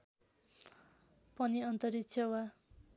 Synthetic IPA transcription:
pʌniʌnt̪ʌɾit͡sʰjʌwa

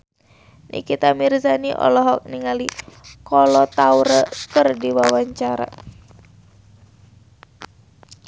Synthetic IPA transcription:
nḭkit̪amirzaniʔɔ̰lɔɦɔk̚niŋalikɔlɔt̪auɾəkɨrdiwawaɲt͡ʃaɾa̰

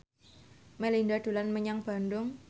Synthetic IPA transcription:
melindad̪̥ṳlanməɲaŋb̥a̤ndʊŋ

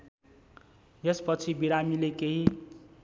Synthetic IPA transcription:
jespʌt͡sʰibiɾamilekeɦi

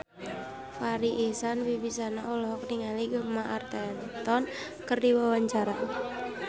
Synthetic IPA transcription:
faɾiʔesanwibisanaulɔɦɔkniŋaliɡamaʔart̪ɛnt̪ɔn | kərdiwawaɲt͡ʃaɾa

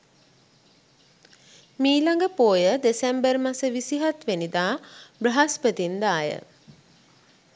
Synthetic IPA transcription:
miːlaŋɡəpoːjəd̪esembərmasəʋisiɦat̪ʋenid̪aːbrəɦaspət̪ind̪aːjə̰

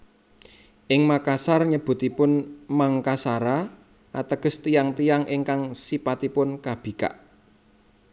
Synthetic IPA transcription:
ʔɪŋmakasarɲəb̥ʊ̤t̪ipʊnmaŋkasaɾa | ʔat̪əɡ̥ə̤st̪ijaŋt̪ijaŋʔɪŋkaŋsipat̪ipʊnkab̥i̤ka̰ʔ

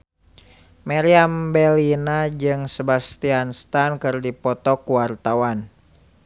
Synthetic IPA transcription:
maɾiambɛlinad͡ʒɨŋsəbast̪ianst̪ankɨrdipɔt̪ɔkuwart̪awan

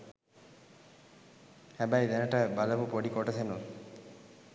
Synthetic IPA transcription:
hæbæjd̪ænəʈəbaləpupoɖikoʈəsenun

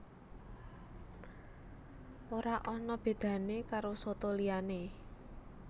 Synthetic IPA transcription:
oɾaʔɔnɔb̥e̤d̪̥ä̤nekaɾosot̪oliane

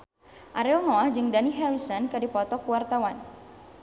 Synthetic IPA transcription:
ʔaɾɛlŋɔahd͡ʒɨŋdaniɦɛɾisɔnkadipɔt̪ɔkuwart̪awan

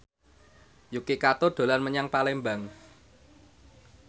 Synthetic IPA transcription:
jukikat̪oɖ̪̥o̤lanməɲaŋpalembaŋ

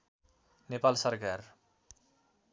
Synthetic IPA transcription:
nepalsʌrkar

